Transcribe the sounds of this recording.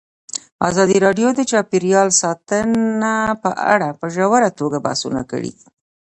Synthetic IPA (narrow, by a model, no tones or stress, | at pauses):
a̰zɑd̪iɾɑɖjod̪ət͡ʃɑpiɾijɑlsɑt̪ənapəʔa̰ɽapəʒawəɾat̪oɡaba̰sṵna̰kə̰ɽḭ